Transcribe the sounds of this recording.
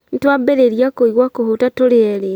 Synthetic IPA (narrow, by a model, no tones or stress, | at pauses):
n̩twabeɾeɾjakoiɣwakohotatoɾeɛɾe